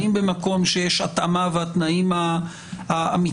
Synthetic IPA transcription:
imbemako̞mʃejeʃat̪amaveat̪naima | aami

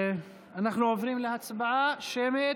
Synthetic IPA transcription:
anaχnuʕovɾimleat͡sbaʕaʃemet

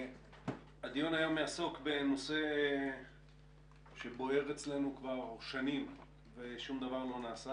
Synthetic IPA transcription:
ad̪ijonajomeaso̞kbe̞no̞se̞ | ʃe̞bo̞e̞ʁet͡sle̞nukvaʁʃanim | veʃumd̪avaʁlo̞naːsa

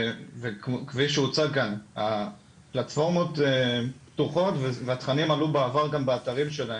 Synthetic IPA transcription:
vekkviʃeut͡sakana | platfo̞ʁmo̞teptuχo̞tveveat̪χanimalubeːvaʁɡambeataʁimʃe̞laem

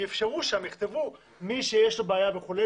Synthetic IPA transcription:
efʃeʁuʃamjiχt̪evu | miʃejeʃlo̞beːjaveχule

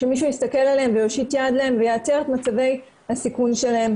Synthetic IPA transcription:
ʃemiʃujist̪ake̞laleemvejoʃit̪jad̪lae̞mvejeat͡seʁet̪mat͡save̞j | hasikunʃe̞lahe̞m

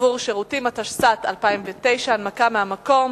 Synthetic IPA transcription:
vuʁʃeʁut̪imat̪aʃsat̪alpaimvet̪e̞jʃanmakameamako̞m

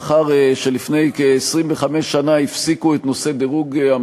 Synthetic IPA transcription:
χaʁʃe̞lifne̞jkeesʁimveχamesːanaifsikuet̪no̞se̞deʁuɡa

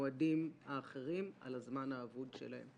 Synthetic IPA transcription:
adimhaːχeʁima̰lazmanaːvudʃḛlahe̞̰m

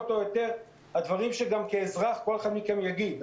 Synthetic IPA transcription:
t̪o̞jot̪eʁ | had̪vaʁimʃeɡamkeːzʁaχko̞leχad̪mikemjaɡid̪

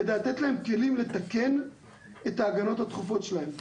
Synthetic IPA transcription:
ed̪elat̪et̪lahe̞mke̞limlet̪ake̞n | et̪aːɡano̞that̪χufo̞tʃelahe̞m

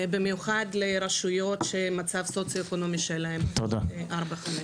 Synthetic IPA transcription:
bimjuχad̪leɾaʃujo̞t̪ʃemat͡savsot͡sjoekono̞miʃelaɦemt̪od̪aʔaɾbaχame

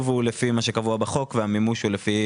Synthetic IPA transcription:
vulefimaʃe̞kavuabaχo̞kveamimuʃhulefi

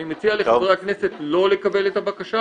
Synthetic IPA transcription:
imet͡sialeχvʁeakne̞se̞tlo̞lekabe̞let̪abakaʃa

